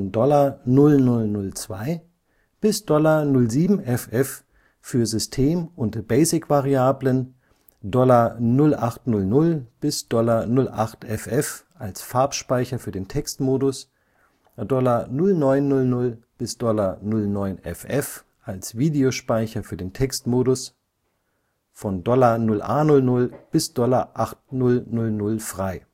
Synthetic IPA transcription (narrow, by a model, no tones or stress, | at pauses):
dɔlɐnʊlnʊlnʊlt͡sv̥aɪ | b̥ɪsd̥ɔlɐnʊlziːbm̩ɛfʔɛf | fyːɐzʏstʰeːmʔʊntb̥ɛɪsɪkv̥aʁiaːblən | dɔlɐnʊlʔaχtnʊlnʊlb̥ɪsd̥ɔlɐnʊlʔa̰χtɛfɛfʔalsfaɐpʃpaɪçɐfyːɐdeːntʰɛkstmoːdʊs | dɔlɐnʊlnɔʏnːʊlnʊlb̥ɪsd̥ɔlɐnʊlnɔʏnɛ̰fɛf | ʔalsv̥iːdeoʃpaɪçɐfyːɐdeːntʰɛkstmoːdʊs | fɔndɔlɐnʊlʔa̰ːnʊlnʊlb̥ɪsd̥ɔlɐʔaχtnʊlnʊlnʊlfʁ̥aɪ